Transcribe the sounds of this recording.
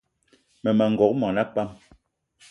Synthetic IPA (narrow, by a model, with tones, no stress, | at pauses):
mɛ˨ma˨ŋ̩˨ɡɔ˨k̚mɔ˨na˦pa˦˨m